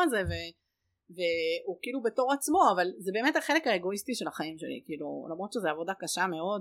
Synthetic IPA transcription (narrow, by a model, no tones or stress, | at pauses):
azeve | veukiiːlube̞to̞ʁat͡smo̞avalzebeːmethaχe̞lekhaeɡo̞istiʃe̞laχaimʃe̞lḭkiiːlṵlamʁo̞t̪ʃezeavo̞dakaʃame̞o̞d